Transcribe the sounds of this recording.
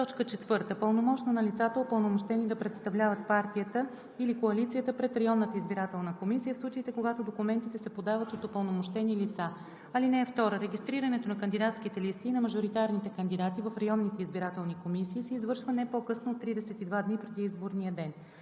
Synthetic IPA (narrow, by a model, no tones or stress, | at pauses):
t̪ɔt͡ʃkət͡ʃɛt̪vɤɾt̪əpəlˠnomɔt͡ʃnonɐlit̪sat̪əopəlˠnomoʃt̪ɛnid̪ɐpɾɛt̪st̪ɐvlʲavət̪̚paɾt̪ijət̪ə | ilikoɐlit̪sijət̪əpɾɛt̪ɾɐjɔnːət̪əizbiɾat̪ɛlˠnəkomisijəfslˠut͡ʃəit̪ɛkoɡat̪od̪okumɛnt̪it̪ɛsɛpod̪avət̪ot̪opəlˠnomoʃt̪ɛnilit̪sa | ɐlinɛɛft̪ɔɾəɾɛɡʲist̪ɾiɾənɛt̪onɐkənd̪id̪at̪sk̟it̪ɛlist̪iːnɐməʒoɾit̪aɾnit̪ɛkənd̪id̪at̪ivɐfɾɐjɔnːit̪ɛizbiɾat̪ɛlˠnikomisiːsɛːzvɤɾʃvənɛpokɤsnoot̪ːɾid̪ɛsɛt̪id̪vad̪nipɾɛd̪iizboɾnijəd̪ɛn